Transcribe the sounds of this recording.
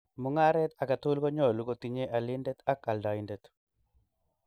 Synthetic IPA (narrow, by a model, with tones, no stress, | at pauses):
mʊ˨ŋa˦ɾɛ˦t̪a˨ka˨t̪u˦lko˦ɲo˦˨lu˦ɡo˦t̪i˨ɲe˦ʔa˨li˦ndɛ˦t̪a˦ka˨lda˨ɪ˦ndɛ˨t̪